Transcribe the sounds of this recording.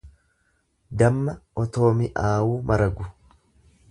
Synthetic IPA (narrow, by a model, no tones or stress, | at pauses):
d̪ɐmːɐʔɔt̪o̞ːmɪʔaːwuːmʔɐɾɐɡʊ